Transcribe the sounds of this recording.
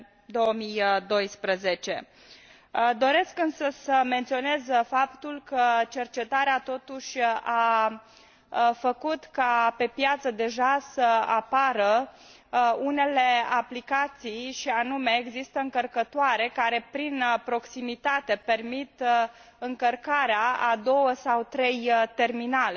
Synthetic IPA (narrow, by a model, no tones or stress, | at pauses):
d̪o̞wəmijd̪o̞jspɾəze̞t͡ʃe̞̰ | d̪o̞ɾe̞skɨnsəsəme̞nt̪sio̞ne̞zfapt̪ulkət͡ʃe̞rt͡ʃe̞t̪aɾeat̪o̞t̪uʃʲa | fəkut̪kape̞pjat̪səd̪e̞ʒasəapaɾə | une̞le̞aplikat̪sijʃianume̞ːɡzist̪əɨŋkərkət̪oaɾe̞kaɾe̞pɾinpɾo̞ksimit̪at̪e̞pe̞rmit̪ | ɨŋkərkaɾeaad̪o̞wəsawt̪ɾe̞jt̪e̞rminale